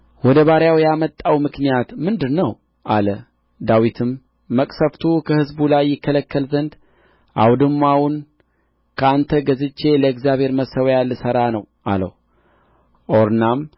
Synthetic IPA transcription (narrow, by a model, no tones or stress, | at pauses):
wɔd̪əβaɾjawjamət̪ʼːawmɨknijat̪mɨnd̪ɨnːəw | ʔalə | d̪awit̪ʰɨmː | əkʼsəft̪ʰukʰəhɨzbulajːɪkːələkʰːəlzənd̪ | ʔa̰wd̪ɨmːahun | kʰəant̪ʰəɡəzɨt͡ʃːe̞ləɛkzjaβhe̞ɾməsəwjalːɨsəɾanəw | a̰lə̰hu | ʔoɾnam